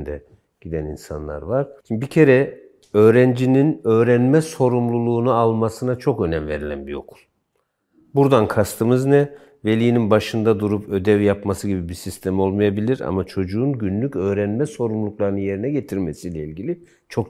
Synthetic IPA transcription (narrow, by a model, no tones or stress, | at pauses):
d̪ɛ | ɟ̥id̪ænḭnsa̰nlˠa̰ɾvaɾ̥bicʰe̞ɾɛ | ø̞ːɾænd͡ʒininø̞ːɾænmɛso̞ɾumlˠulˠuːnualˠmasɯnat͡ʃʰo̞kø̞næmve̞ɾilʲæ̰nbio̞̰kʰu̥lˠ | buɾd̪ankʰast̪ʰɯmɯznɛ | ve̞lʲijːninbaʃɯnd̪ad̪uɾupʰø̞d̪ɛvjapmasɯɟibibisist̪ʰe̞mo̞lˠmajabilʲiɾa̰mat͡ʃʰo̞d͡ʒuːnɟynlʲycø̞ːɾænmɛso̞ɾumlˠuklˠaɾɯnɯnje̞ɾinɛɟe̞t̪ʰiɾme̞silʲɛilʲɟilʲi | t͡ʃʰo̞k